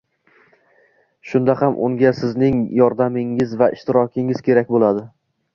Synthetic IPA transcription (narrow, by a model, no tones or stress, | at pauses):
ʃʊnd̪ahamʔʊ̰ŋɡʲasɪznɪŋjɒɾd̪amɪŋɪzvaʔɪʃt̪ɪɾɒkʲʰɪŋɪzkʲʰe̞ɾak̚ʲbolˠad̪ɪ